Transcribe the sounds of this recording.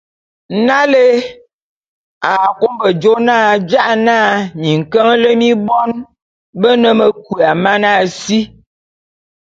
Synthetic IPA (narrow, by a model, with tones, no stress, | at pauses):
na˦le˦ | a˨ko˦mbə˨d͡ʒo˦naː˦˨d͡ʒa˦ʔnaː˦˨ɲi˨ŋ̩˨kə˦ŋ˦lə˦mi˦bɔ˦n | bə˦nə˨mə˨kwu˨a˨ma˦na˦˨si˦